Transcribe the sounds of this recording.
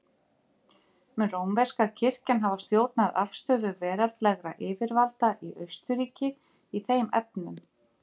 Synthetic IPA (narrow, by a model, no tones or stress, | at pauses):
mɛrowmvɛskaɾcʰɪr̥canɦavast̪joːwt̪naðafst̪œːðʏvɛːɾalt̪lɛɣɾa̰ʔɪːvɪɾvalt̪aʔiʔœɥst̪ʏɾiːcɪ | iθejmɛ̰p̚nʏm